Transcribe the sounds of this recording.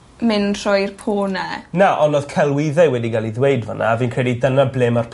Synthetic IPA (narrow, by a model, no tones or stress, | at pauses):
mɪnr̥ɔjrpʰoːnɛnaʔɔnoːð̥kʰɛlˠwɪðaɨwɛdiɡalˠiðwejdvə̰na̰ːviːnkʰr̥ɛdidənableːmarpʰ